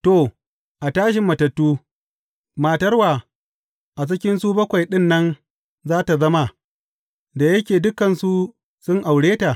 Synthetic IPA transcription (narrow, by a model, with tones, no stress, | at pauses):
to˨ | ʔa˨taː˦ʃ̬ɪ˨mːɐ˨tɐ˨tːuː˦ | maː˨tɐ˦rwaː˨ | ʔa˨t͡ʃ̬ɪ˦kʲɪ˦nsuː˦bɐ˦kʷa˨jɗɪ˦nːɐ˦n | zaː˦ta˨zɐ˦ma˨ | da˨jɐ˦kʲeː˨dʊ˦kɐ˨nsu˦ | sʊ˦ŋʔa˨wɽeː˦ta˨